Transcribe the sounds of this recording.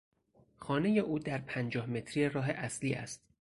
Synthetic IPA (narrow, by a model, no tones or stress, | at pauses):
xɒːne̞je̞ʔuːd̪æɾpʰænd͡ʒɒːhme̞t̪ʰɾijeɾɒːɦe̞ʔæsliːʔæ̰st̪